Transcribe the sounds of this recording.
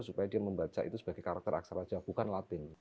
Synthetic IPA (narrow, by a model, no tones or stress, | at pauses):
supajadiaməmbat͡ʃa̰ʔit̪usəb̥aɡajkaɾak̚t̪əɾa̰ksaɾḁd͡ʒ̥ab̥ukanlat̪ɪŋ